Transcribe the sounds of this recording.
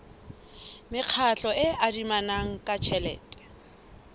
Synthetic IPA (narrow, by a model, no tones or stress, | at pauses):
mɪq͡χʰaɬɔʔɪʔadimanaŋ̩kʼat͡ʃʰɛlɛ̰ːtʼɛ̥